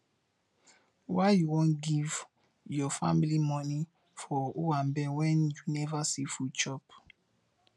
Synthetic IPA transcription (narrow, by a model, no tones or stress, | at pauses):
waɪjuwõnɡiv | jɔfa̰milimɔni | fɔuwãmbɛwɛ̃njunɛvasifut͡ʃɔp